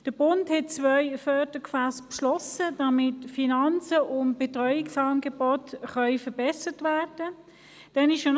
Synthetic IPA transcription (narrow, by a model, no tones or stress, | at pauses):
d̥əb̥ʊnthɛt̚t͡sʋœʏfœd̥əkfaspʃlɔsəd̥ɑmɪtfinɑnt͡səʔʊntb̥etʁɔʏɪksɑːnɡebɔtχœʏfəbɛsətʋæːʁd̥ə | d̥ɛnɪʃʃon